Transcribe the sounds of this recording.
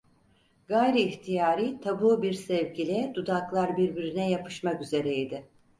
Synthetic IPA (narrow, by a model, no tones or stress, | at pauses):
ɡajɾiːçt̪ʰijaːɾiːt̪ʰabuːbiɾsɛvɟilʲɛd̪ud̪aklˠaɾbiɾbiɾinɛjapʰɯ̥ʃmakyze̞ɾɛid̪ɪ